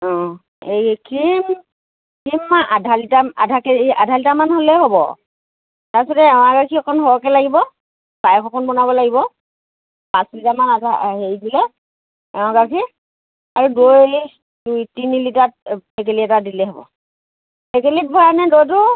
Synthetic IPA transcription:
ɔ̃ | ekʰim | kʰimːaʔadʱalitaa̰dʱakeadʱalitamanɦolɛɦobɔ̰ | taɹsɔtɛɛʊ̃akakʰiɔkʰɔnɦɔwɔkɛlaɡibɔ | b̥ajkʰɔkʰɔnbɔnabɔlaɡibɔ | pãslitamanadaɦeɹizilɛ | ɛʊ̃ɡakʰi | aɹudoj | dujtinilitat̚pek̬eliɛtadilɛɦɔbɔ̰ | pekelit̚bʱɔɹanɛdojtʊ

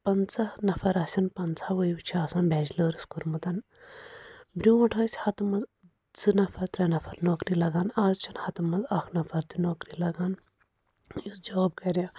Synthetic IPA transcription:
pɐnt͡sʰɐhnɐfɐɾaːsʲɐnpɐnt͡sʰaʋəjiwt͡ʃʰiaːsãːnbɛːd͡ʒləːɾɨskuɾmɐt̪ɐn | bɾʲuɐʈʰɐːsʲhɐt̪umɐz | zɨnɐfʰɐɾt̪ɾɐnɐfʰɐɾnoːkɾilɐɡaːnaːzt͡ʃʰinhɐt̪umɐzɐkʰnɐfɐɾt̪inoːkɾilɐɡaːn | jisd͡ʒoːb̚kɐɾʲjã

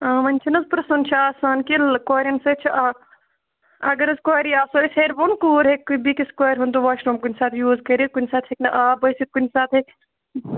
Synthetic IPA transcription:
aːmɐnʲt͡ʃʰinɐzpɾɐsɐnt͡ʃʰiaːsaːnkilkwaːɾɐnset͡ʃʰiʔa | ɐɡɐɾɐzkaːɾiaːsoːisʲɦeːɾbonkuːɾɦekːubikiskaːɾɦunt̪oʋaːʃɾoːmkunʲsaːt̪ʰjuːzkɐɾikunsaːt̪ʰeknɐʔaːbɐjsit̪̚kunsaːt̪ʰe

